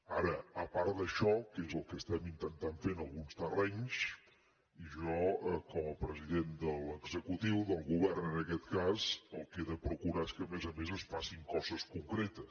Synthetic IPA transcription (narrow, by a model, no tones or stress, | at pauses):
aɾəəpaɾd̪əʃɔkezəlˠkəst̪ɛmint̪ənt̪aɱfenəlˠɣunst̪ərɛɲs | iʒɔəkɔməpɾəziðend̪əlˠəɡzəkut̪iwðəlˠɣuβɛrnənəkɛt̪kazəlˠkeðəpɾukuɾaeskəmezəmezəsfasiŋkɔzəskuŋkɾet̪əs